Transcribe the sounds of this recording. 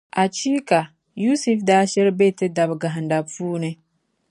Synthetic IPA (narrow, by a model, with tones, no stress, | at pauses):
ʔa˨t͡ʃi˦ka˨ | ju˦su˦fdaː˦ʃɛ˦ɾbe˦˨te˦da˨bɡa˨ɦa˨nda˨ɸuː˦ne˦